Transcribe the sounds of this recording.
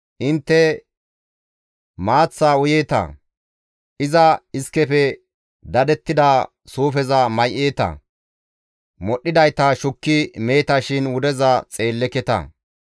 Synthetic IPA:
ʔɪnt̪ːɛ | maːt͡sːaːʊjeːt̪ɐ̰ | ʔɪzɐɪskɛfɛ | d̪ɐd̪ɛt̪ːɪd̪aː | suːfɛzɐmɐjʔeːt̪ɐ̰ | mɔɗːɪd̪ɐjt̪ɐʃʊkːɪme̞ːt̪ɐʃɪnwʊd̪ɛzɐt͡sʼe̞ːlːɛkɛt̪ɐ̰

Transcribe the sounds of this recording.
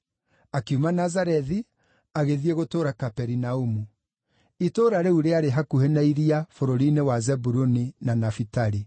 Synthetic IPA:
akiumanazaɾɛði | aɣeðieɣotoːɾakapɛɾinaumu | itoːɾaɾeuɾeaɾeɦakuhenaiɾiafoɾoɾinewazɛbuɾoninanafitaɾi

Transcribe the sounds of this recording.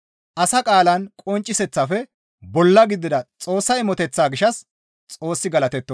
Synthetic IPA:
ʔɐsɐkʼaːlɐnkʼɔnt͡ʃʼːɪsɛt͡sːɐfɛ | bɔlːɐɡɪd̪ːɪd̪ɐt͡sʼo̞ːsːɐjmɔt̪ɛt͡sːaːɡɪʃɐs | t͡sʼo̞ːsːɪɡɐlɐt̪ɛt̪ːɔ

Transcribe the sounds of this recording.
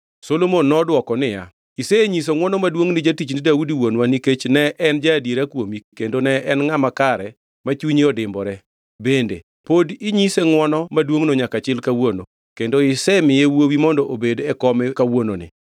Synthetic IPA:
solomonːɔdwɔkɔnɪja̰ | isɛɲis̬oŋwɔnɔmadwoŋnɪd͡ʒatit͡ʃnɪdaudiwonwaniket͡ʃnɛʔɛnd͡ʒadjiɾakwomikendonɛʔɛnŋamakaɾɛ | mat͡ʃuɲiɔdɪmbɔɾɛ | bendḛ | podiɲiseŋwɔnɔmadwoŋnoɲakat͡ʃɪlkawono | kendoɪsɛmɪjewowimɔndɔʔobedɛkɔmɛkawononɪ̰

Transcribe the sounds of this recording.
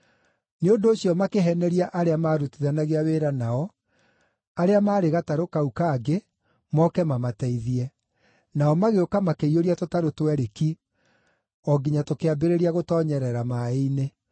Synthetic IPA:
neondoːɕiɔmakeɦɛnɛɾiaʔaɾeamaːɾutiðanaɣeaweːɾanaɔ | aɾeamaːɾeɣataɾokaukaːɡe | mɔkɛmamatɛiðiɛ | naɔmaɣeokamakeioɾiatotaɾotwɛɾeki | ɔɡiɲatokeabeɾeɾiaɣotɔɲɛɾɛɾamaeine

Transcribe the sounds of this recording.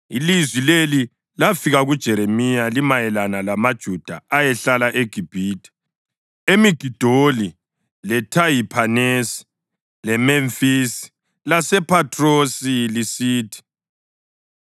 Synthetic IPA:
ilizwileli | lafiɣaɣud̥ʒ̥ʱɛɾemijalimajɛlanalamad̥ʒ̥ʱud̥ʱaajɛɬalaʔeɡ̥ʱib̥ʱiːtʰʼi̥ | emiɡ̥ʱid̥ʱoli | lɛtʰajipʰanɛsi̥ | lɛmɛɱfisi̥ | lasɛpʰatʰrosilisiːtʰi̥

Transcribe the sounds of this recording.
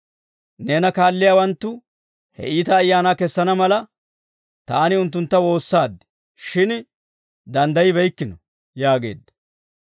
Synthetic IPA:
neːnɐkaːlːɪjaːwɐnt̪ːʊ | hɛ̰ʔiːt̪ɐːjːaːnaːkɛsːɐnɐmɐlɐ | t̪aːnɪʊnt̪ːʊnt̪ːɐwo̞ːsːaːd̪ːɪ̥ | ʃɪn | d̪ɐnd̪ɐjɪbɛjkːɪnɔ | jaːɡe̞̰ːd̪ːɐ̥

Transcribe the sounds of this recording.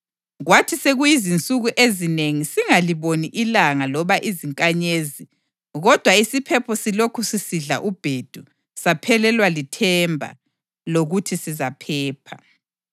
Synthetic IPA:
ɣwatʰiseɣujizint͡sʼuɣuʔezineŋisiŋaliβoniʔilaŋalɔβaʔiziŋkʼaɲezi | ɣɔd̥ʱwaisipʰɛpʰɔsilokʰusisiɮa̰ʔub̥ʱed̥ʱu | sapʰɛlɛlwalitʰɛmbʱa̰ | loɣutʰisizapʰɛːpʰa

